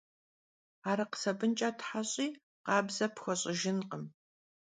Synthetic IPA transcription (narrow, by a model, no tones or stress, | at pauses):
aːɾɐqə̥sɐbɨnt͡ʃʼatʰħaɕʼiː | qɑːbzɐpxʷɔɕʼɪʒɪnqəm